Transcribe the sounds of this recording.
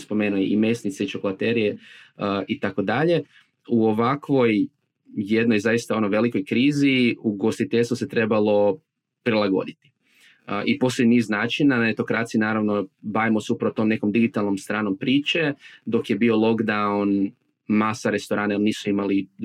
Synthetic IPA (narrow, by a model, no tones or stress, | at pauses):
spo̞me̞ːnueʔime̞snit̪seit͡ʃokolat̪eɾije | it̪ako̞d̪aʎe̞ | uoʋakʋo̞j | jed̪nojzajist̪ao̞noʋe̞liko̞jkɾiːziuɡo̞st̪it̪eʎsose̞t̪ɾe̞balˠo̞ | pɾilˠaɡo̞̰d̪it̪i̥ | ʔipo̞st̪ojniːznaːt͡ʃinːananet̪o̞kɾat̪sijinaːɾaʋnobaʋimo̞seupɾaʋot̪o̞mne̞ko̞md̪iɡit̪alˠno̞mst̪ɾaːno̞mpɾiːt͡ʃe̞d̪o̞kje̞bio̞lˠo̞ɡd̪aun | masaɾe̞st̪oɾaːnajelniːsuimali